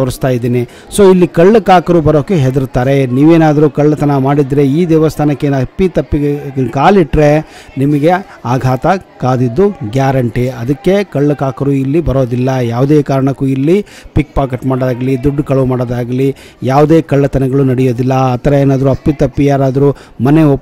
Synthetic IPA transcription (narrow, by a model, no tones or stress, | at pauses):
ʋɐɾist̪aːjid̪iːni | so̞ːilːikɐɭːɐkaːkɐɾuːbɐɾoːkːeɦed̪ɐɾut̪aːɾe̞niːʋeːnaːd̪ɐɾukɐɭːɐt̪ɐnɐmaːɽid̪ɾe̞iːd̪ɛːʋɐst̪ʰaːnɐkːeɐpːit̪ɐpːiɡkaːliʈːɾe̞ | nimɐɡe | aːɡʱaːt̪ɐkaːd̪id̪ːuɡjaːɾɐɳʈiɐd̪ɐkːe̞kɐɭːukaːkɐɾuilːibɐɾoːd̪ilːɐjaːʋud̪eːkaːɾɐɳɐkːuːilːipik̚paːkeʈmaːɽd̪aːɡɐlid̪uɖːkɐɭɐʋumaːɽoːd̪aːɡɐli | jaːʋud̪eːkɐɭːɐt̪ɐnɐɡɐɭunɐɽɛjo̞ːd̪ilːɐːt̪ɐɾɐeːnaːd̪ɐɾuɐpːit̪ɐpːijaːɾaːd̪ɐɾuː | mɐneo